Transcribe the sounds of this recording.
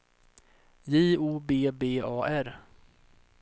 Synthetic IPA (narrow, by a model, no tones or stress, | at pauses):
jiːuːbeːbeːɑːʔæɾ